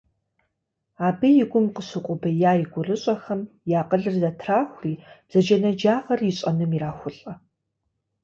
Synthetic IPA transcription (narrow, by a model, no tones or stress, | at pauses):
aːbɨjɪɡʷʊmqəsɨqʷʼʊbɐjaːjɪɡʷʊrɨɕʼɐxɐm | jaːqəɮɨrzatʰraːxʷriːb̥z̥ɐd͡ʒɐnɐd͡ʒaːʁɐrjɪɕʼɐnɨmiraːxʷʊɬʼɐ